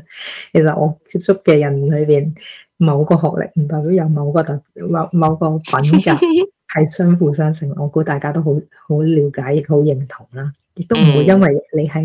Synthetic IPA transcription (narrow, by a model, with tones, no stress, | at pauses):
kʰe˨˩js̬ɐ˨t̚ʔɔ̰ː˨˧t͡siː˧p̚t͡sʊ˥kːɛː˧jɐ˨˩nlɵ˨˧ɥpiː˨n | mɐ˨˧wkɔː˧ɦɔː˨k̚lɪ̰˨˩k̚m̩˨˩t̪ɔː˨˩pi˨˥wjɐ˨˧wmɐ˨˧wkɔː˧t̪ɐ˨˩mɐ˨˧mɐ˨˧wkɔː˧pɐ˨˥nkɐ˧˩ | hɐ˨jsœː˥ŋfuː˨˧sœː˥ŋsʰɪ˨˩ŋʔɔː˨˧kuː˨˥t̪aː˨jkaː˥t̪o˥wɦo˨˥w | ho˨˥wliː˨˧wkaː˨˥jɪ˨˧k̚ho˨˥wjɪ˨˩ŋt̪ʰʊ˨˩ŋlaː˥ | jɪ˨k̚t̪o˥wm̩˨˩wu˨˧jɐ˥nwɐ˨jle˨˧jɦɐ˨j